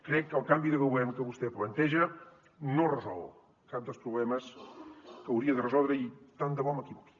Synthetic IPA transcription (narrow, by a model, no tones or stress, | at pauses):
kɾɛkːəːlˠkambiðəɣəwɛmkəβust̪ɛplənt̪ɛʒə | norəzɔ̰lˠβ | kap̚d̪əlˠspɾuβlɛməs | kəːwɾiəðərəzɔlˠd̪ɾəit̪and̪əβɔməkiβɔkli̥